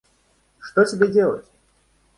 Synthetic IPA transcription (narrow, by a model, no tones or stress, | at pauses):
ʂt̪osʲɪbʲedʲelˠə̰tʲ